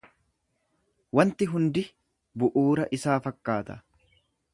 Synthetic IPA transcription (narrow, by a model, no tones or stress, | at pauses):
wɐnt̪ɪɦʊnd̪ɪ | bʊʔuːɾɐʔɪsaːfɐkːaːt̪ɐ̰